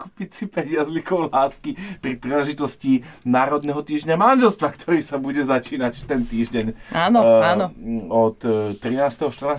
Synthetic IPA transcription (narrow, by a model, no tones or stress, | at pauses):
kupit͡sipɛɲɪazlikɔʊlaːskipɾipɾiːlɛʒit̪ɔscinaːɾɔd̪nɛɦɔt̪iːʒɟɲamanʒɛlst̪ʋakt̪ʰɔɾiːsabuɟɛzat͡ʃiːnacft̪ɛnt̪iːʒɟɛɲaːnɔanɔɔt̪ːɾinaːst̪ɛɦɔʃt̪r̩naː